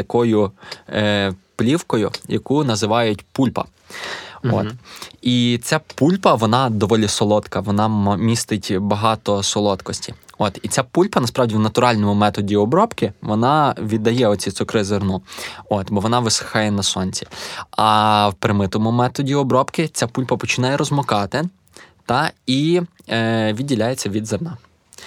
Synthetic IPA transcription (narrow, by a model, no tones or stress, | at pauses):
t̪ɐkɔjʊ | plʲiwkɔjʊjɐkunɐzɪʋɑjʊtʲpulʲpɐ̰ | o̰t̪it͡sʲapulʲpɐʋɔnɑd̪ɔʋɔlʲisɔlˠɔt̪kɐʋɔnɑmʲist̪ɪtʲbɐɦɑt̪ɔsɔlˠɔt̪kɔsʲtʲiɔt̪it͡sʲapulʲpɐnɐspɾɑwdʲiwnɐt̪ʊɾɑlʲnɔmʊmɛt̪ɔdʲiɔbɾɔpkɪʋɔnɑʋʲid̪ːɐjɛɔt͡sʲit̪ʊkɾɪzernuɔt̪bɔʋɔnɑʋɪsɪ̥xɑjɛnɐsɔnʲt͡sʲi̥ɐwpɾɪmɪt̪ɔmʊmɛt̪ɔdʲiɔbɾɔpkɪt͡sʲapulʲpɐpɔt͡ʃɪnɑjɛɾɔzmɔkɑt̪ɪ | t̪ɑi | ʋʲid̪̚ʲːilʲajet͡sʲːɐʋʲid̪zernɑ